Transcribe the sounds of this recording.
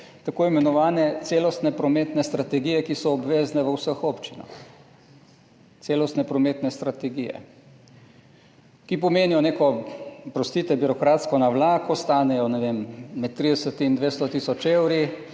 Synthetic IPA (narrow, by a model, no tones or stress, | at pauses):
t̪akoːimɛnɔʋaːnɛt̪seːlɔst̪nɛpɾɔmeːt̪nɛst̪ɾat̪ɛɡijɛkisɔːbʋeːznɛʋəwsəxoːpt͡ʃina̰x | t̪seːlɔst̪nɛpɾɔmeːt̪nɛst̪ɾat̪ɛɡijɛ̰ | kipɔmeːnijɔneːkɔpɾɔst̪iːt̪ɛbiɾɔkɾaːt̪skɔnaʋlaːkɔst̪aːnɛjɔnɛʋemmɛt̪ːɾiːd̪ɛsət̪ind̪ʋeːst̪ɔt̪isɔt͡ʃewɾi